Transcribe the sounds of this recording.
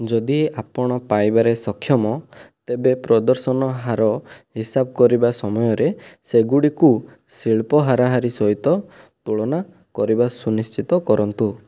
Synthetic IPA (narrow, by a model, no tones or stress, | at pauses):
d͡ʒɔd̪iapɔɽ̃ɔpajbaɾesɔkʰːjɔmɔt̪ebepɾɔd̪ɔɾsɔnɔɦaɾɔɦisabɔkɔɾibasɔmɔjɔɾeseɡuɽiku | siɭpɔɦaɾaɦaɾisɔɦit̪ɔt̪uɭɔna | kɔɾibasunist͡ʃit̪ɔkɔɾɔnt̪u